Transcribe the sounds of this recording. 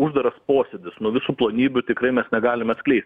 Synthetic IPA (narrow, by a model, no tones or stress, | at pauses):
ʊʒd̪ɐɾɐspoːsʲɛd̪ʲɪsnuɔʋʲɪsuːplˠoːnʲiːbʲʊt̪ʲɪkɾɐɪmʲɛsnʲɛɡɑːlʲɪmɐt̪sklʲɛɪsʲt̪ʲ